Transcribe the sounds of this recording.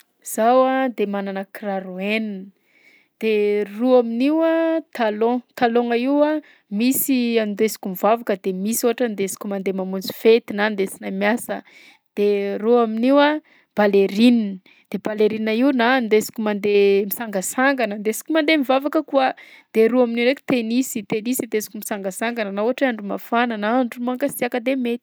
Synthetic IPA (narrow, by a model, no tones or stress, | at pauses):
z̥awad̪emananəkraɾuen | d̪̥eruaminiwat̪alõt̪aloŋaiwa | misiand̪esi̥kʲumivavakəd̪emisoaʈ͡ʂand̪esi̥kʲumand̪emamund͡zu̥fet̪inand̪et͡sinamjasə̰ | d̪̥eruaminiwa | b̥aleɾin | d̪̥eb̥aleɾinaiunand̪esi̥kʲumand̪emisaŋɡasaŋɡanənd̪esi̥kʲumand̪emivavakəkuəd̪̥eɾuaminiɾeki̥t̪enisit̪enisid̪esi̥kʲumisaŋɡasaŋɡanənauaʈ͡ʂaɳɖ͡ʐuma̰fananaaɳɖ͡ʐumaŋkasiakəd̪emet̪